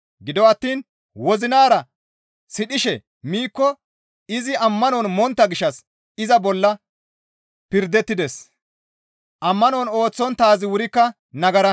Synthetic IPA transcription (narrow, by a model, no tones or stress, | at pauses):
ɡɪd̪ɔɐt̪ːiːn | wɔzɪnaːɾɐ | sɪɗɪʃɛ | miːkːɔ | ɪzɪɐmːɐnɔnmɔnt̪ːɐɡɪʃːɐs | ɪzɐbɔlːɐ | pɪɾd̪ɛt̪ːɪd̪ɛs | ʔɐmːɐnɔno̞ːt͡sːɔnt̪aːzɪwʊɾɪkːɐ | nɐɡɐɾɐ